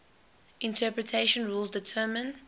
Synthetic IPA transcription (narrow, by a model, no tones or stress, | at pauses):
ʔɪ̃ntʰɜːˑpɹətʰeɪʃə̃nɹuːlˠzdɪtʰɜːmə̃n